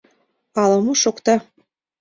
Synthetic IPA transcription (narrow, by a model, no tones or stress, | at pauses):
ɑlɤ̆muʃokt̪ɑ